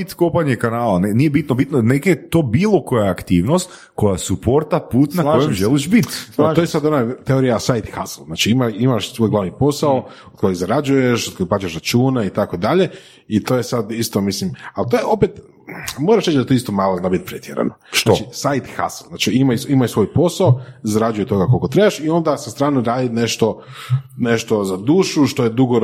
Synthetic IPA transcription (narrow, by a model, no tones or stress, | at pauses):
it̪kopaɲekanaːlanenijebit̪nobit̪noneket̪o̞ːbiːlˠo̞ko̞jaːkt̪iːʋno̞st̪ | ko̞jasupo̞ɾt̪apuːt̪nakojemʒeliʃbit̪aojesad̪onat̪eoɾijasajt̪xaslˠznaːt͡ʃiimaimaʃsueɡlˠaʋnipo̞saood̪̚kojiɣzaɾad͡ʒujeʃod̪̥̚kojikplat͡ʃeʃɾat͡ʃuːnait̪akod̪aʎe̞ | it̪ojesad̪ist̪o̞mislimalt̪ojeo̞pet̪ | moɾaʃɾet͡ʃd̪at̪oist̪omaːlˠoznabit̪̚pɾet̪ʰʲjeɾa̰noat͡ʃisajt̪xa̰slˠznaːt͡ʃiimajimaʃsʋo̞ːjpo̞saozaɾad͡ʒujet̪o̞ɡako̞lkot̪ɾebaʃio̞nd̪asast̪ɾaːneɾaːd̪ineʃt̪o̞ | neʃt̪o̞zad̪uːʃuʃt̪ojed̪uɡo